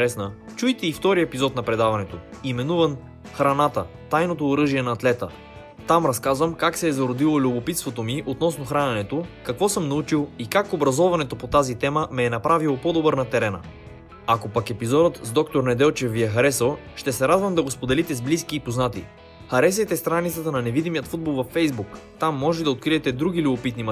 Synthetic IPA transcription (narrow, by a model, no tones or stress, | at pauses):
ɾɛsnət͡ʃujt̪ɛift̪ɔɾiɛpizɔt̪nɐpɾɛd̪avɐnɛt̪o | imɛnuvən | xɾɐnat̪ət̪ajnot̪oːɾɤʒiɛnɐːt̪lɛt̪ə̰ | t̪amɾɐskazvəmkaksɛːzɐɾod̪ilˠolʲʊbopit̪st̪vot̪omiʔot̪nɔsnoxɾanɛnɛt̪okɐkvɔsɤmnɐut͡ʃilˠikakobɾɐzɔvɐnɛt̪opot̪azit̪ɛməmɛːnɐpɾavilˠopɔd̪obɤɾnɐt̪ɛɾɛnə̰ | akopɐkɛpizɔd̪ət̪zd̪ɔkt̪oɾnɛd̪ɛlˠt͡ʃɛfːiɛxɐɾɛsəlˠʃt̪ɛsɛɾad̪vəmd̪ɐɡospod̪ɛlit̪ɛzbliskiːpoznat̪i | xɐɾɛs̬ɛt̪ɛst̪ɾanit̪sət̪ənɐnɛvid̪imijət̪fud̪̚bolˠvɐfːɛjzbukt̪amːɔʒɛd̪ɐot̪̚kɾiɛt̪ɛd̪ɾuɡ̟ilʲʊbopit̪nim